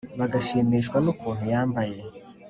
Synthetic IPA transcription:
βaɡaʃiːmiʃkwanukuːn̥hujaːmbaje

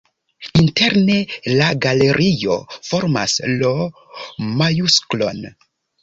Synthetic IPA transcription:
inte̞ɾne̞laɡale̞ɾʔijo̞̰fo̞ɾma̰slo | majusklo̞n

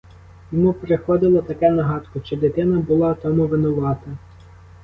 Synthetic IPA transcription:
jɔmupɾexɔd̪ɪlˠɐt̪ɐkɛnɐɦɑt̪kʊʃt͡ʃɛd̪et̪ɪnɐbʊlˠɑt̪ɔmuʋɪnʊʋɑt̪ɐ

